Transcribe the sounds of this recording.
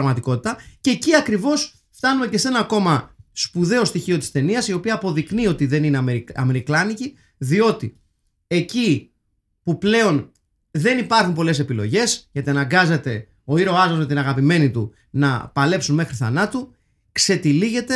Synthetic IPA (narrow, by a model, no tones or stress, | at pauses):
ɣmɐt̪iko̞t̪it̪ɐceːciɐkɾivo̞s | ft̪ɐnume̞ce̞se̞nɐko̞mɐspuðe̞o̞st̪içio̞t̪i̥st̪e̞niɐsio̞piɐːpo̞ðiknio̞t̪iðe̞ninemeɾɐ̰me̞ɾiklɐnici | ðio̞t̪i | e̞ci | puple̞o̞n | ðe̞nipɐɾxumpo̞le̞se̞pilo̞̰ʝe̞sʝɐt̪iɐnɐŋɡɐze̞t̪e̞ | o̞iɾo̞ɐzozme̞t̪inɐɣɐpime̞nit̪u | nɐ̰pɐle̞psunme̞xɾiθɐ̰nɐt̪u | kse̞t̪iliʝe̞t̪e